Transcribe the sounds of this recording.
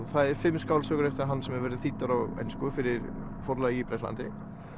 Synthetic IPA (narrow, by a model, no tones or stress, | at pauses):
θaðɛɾ̥fɪmːskaːwlsœːɣʏɾɛft̪ɪɾaɾɦanːsɛmɛɾvɛɾðʏ̥θiːt̪ːaɾawɛ̰jnskɔʏfɪɾɪɾ | fɔɾlaðiipɾɛst̪la̰nt̪ɪ